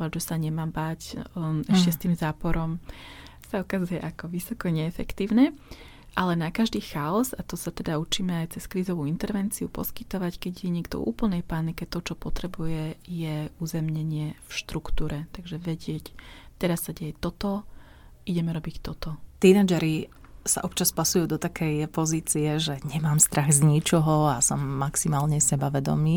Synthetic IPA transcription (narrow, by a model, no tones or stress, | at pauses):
aʒɛsaɲɛmaːmbacɛʃcɛst̪iːmzaːpɔɾɔm | saukazujɛʔakɔʋisɔkɔɲɛːfɛkt̪iːʊnɛ | ʔalɛnakaʒd̪iːxaɔzat̪ɔsat̪ɛd̪aut͡ʃiːmɛajt͡sɛskɾiːzɔʋuint̪ɛɾʋɛnt͡siupɔ̰skit̪ɔʋackɛɟjɛɲɛkt̪ɔ̰ṵːpl̩nɛjpanikɛt̪ɔt͡ʃɔpɔt̪ɾɛbujɛjɛuːzɛmɲɛɲɪɛfʃt̪ɾukt̪uːɾɛt̪aɡʒɛʋɛɟɪɛct̪ɛɾasːaɟɛjɛt̪ɔt̪ɔ | ʔiɟɛmɛɾɔbict̪ɔt̪ɔt̪inad͡ʒɛɾi | sa̰ʔɔpt͡ʃaspasujuːd̪ɔt̪akʰɛjpɔziːt͡siɛʒɛɲɛmaːmst̪ɾʔaɣzɲit͡ʃɔɦɔasɔmːaksimaːlɲɛsɛbaʋɛd̪ɔ̰miː